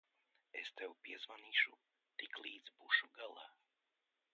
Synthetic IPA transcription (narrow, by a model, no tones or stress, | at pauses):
est̪ɛwpiɛzvaniːʃu | t̪iklˠiːd̪zbuːʃuɡalˠa